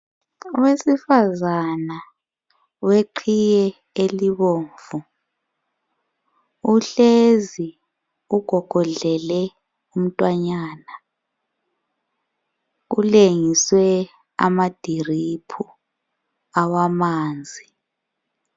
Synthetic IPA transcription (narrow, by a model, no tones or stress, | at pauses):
uwesifazana | weǃʰijɛ | eliβoːɱvu | uɬezi | uɡ̥ʱɔɡ̥ʱɔɮɛlɛ | um̩tʼwaɲaːna | uleŋiswɛ | a̰mad̥ʱiripʰu | awamaːnd͡zʱi